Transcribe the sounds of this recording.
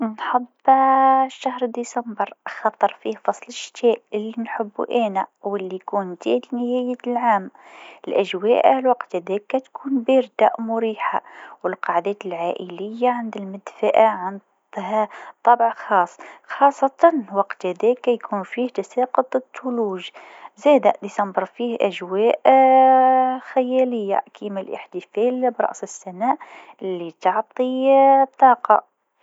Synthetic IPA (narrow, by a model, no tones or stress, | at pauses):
nħabːʃːahɾd̪isambəɾʔxɑt̪ˤːɑɾˤfiːhfɑsˤlɪʃt̪ɛːʔɪlːinħʊbːṵʔæːnæwɪlːijkuːnd̪iːlnɪhæːjəlʕaːmɪlʔæʒwæːʔlwɑqt̪hæd̪ɛːkːæt̪kʰuːnbiɾd̪a̰ʔmʊɾiːħa̰wɪlqɑʕd̪ɛːt̪ɪlʕaːʔəlɪjːaʕand̪ɪlmɪd̪faʔaʕand̪ | hat̪ˤːɑbʕxɑːsˤːxɑːsˤːɑt̪ɑnwɑqt̪hæd̪ɛkːæjkʰunfiːht̪asæːqət̪ˤːət̪ʰːʊluːʒ | zæd̪æʔd̪isɑmbəɾˤfiːhʔæʒwæːʔ | xæjæləjːa̰kʰimælʔə̰ħt̪əfæːlbɾˤɑ̰ʔsəsːænæʔlːit̪ɑʕt̪ˤit̪ˤːɑːqɑ